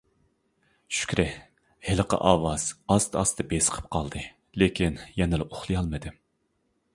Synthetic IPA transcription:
ʃy̥kʲɾɪ | heləqə̰ʔɑːwɑz̥ɑst̪ʰɑst̪ʰɨbesə̥qʰə̥p̚qʰɑlˠd̪ɨ | lekʲinjɛnɪlɛʔoχlˠɨjɑlˠmɨd̪ɨ

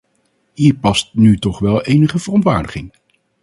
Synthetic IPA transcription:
ɦiːɹpɑstnytɔχʋɛlˠejnəχəv̥ərɔntʋa̰ːɹdəχɪŋ

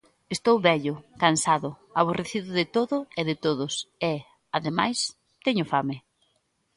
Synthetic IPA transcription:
est̪owβɛʎʊkansaðʊaβoreθiðʊðɪt̪oðʊeðɪt̪oðʊsɛ | aðema̰js | t̪ɛɲʊfamɪ

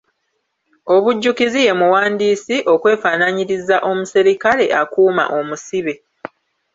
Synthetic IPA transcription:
o̞βuɟːukizije̞muwaːndiːsiʔo̞kwe̞ːfaːnaɲiɾizaʔo̞musiɾikale̞ʔakuːma̰ʔo̞musiβe

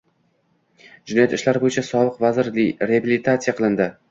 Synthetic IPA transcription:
d͡ʒɪnɒjat̪ɪʃlaɾbojɪt͡ʃʰasɒbɨqvazɪɾlɾeabilit̪ʰat̪sɨijaqʰɨlˠɪnd̪ɪ

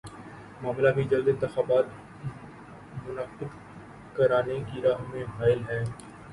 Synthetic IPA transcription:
maːmlabid͡ʒɐld̪ɪ̃nt̪ɪxaːbaːt̪ | mʊnaːqɪb | kɐɾaːnekiɾaːɦmẽfaːɪlɦɛː

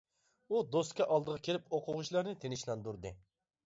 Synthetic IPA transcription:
ud̪ost̪kʲɛʔɑlˠd̪əʁɑkʲʰeɾɪpoqʰʊʁʊʃlˠɑɾnɨt̪ʰenɪʃlˠɑnd̪uɾd̪ɨ

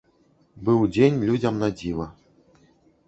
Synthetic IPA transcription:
bɨwd͡zʲenʲlʲud͡zʲɐmnad͡zʲivɐ

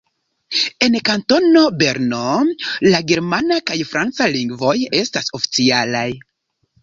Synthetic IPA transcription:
e̞nkanto̞no̞be̞ɾno̞laɡe̞ɾmanakajfɾant͡saliŋɡvo̞je̞staso̞fi̥t͡sialaj

